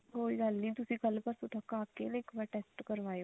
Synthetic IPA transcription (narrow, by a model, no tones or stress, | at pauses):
ɦoːiɡəlnĩːt̪ʊsĩːkəlpəɾsʊt̪akaːkenəɪkʋaʈeːsʈkəɾʋaːj